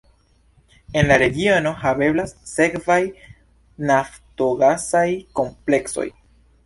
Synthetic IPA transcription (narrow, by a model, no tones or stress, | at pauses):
e̞nlaɾe̞ɡio̞no̞habe̞blasːe̞kvaj | nafto̞ɡasajko̞mple̞kso̞̰j